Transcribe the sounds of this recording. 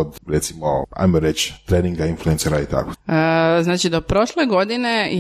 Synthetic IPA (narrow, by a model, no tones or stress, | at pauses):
od̪ɾet̪simoa̰jmoɾet͡ʃt̪ɾeːniŋɡainfluenseɾait̪a̰ko̥znaːt͡ʃid̪opɾo̞ʃleɡo̞d̪ine